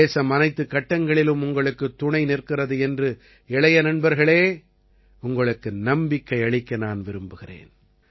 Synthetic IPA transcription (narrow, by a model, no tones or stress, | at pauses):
eːsɐmɐnɐɪt̪ːɯkːɐʈːɐŋɡɐɭɪlɯmʊŋɡɐɭɯkːɯt̪ːʊɳɐɪnɪrkɪrɐðɯɛndrɯ | ɛɭɐjɐnɐnbɐɾɣɐɭeː | ʊŋɡɐɭɯkːɯnɐmbɪkːɐɪɐɭɪkːɐnaːnʋɪɾɯmbɯɣɪrḛːn